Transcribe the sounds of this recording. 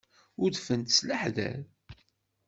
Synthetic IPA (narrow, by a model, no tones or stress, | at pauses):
ʊðfənt̪sləħðæ̰l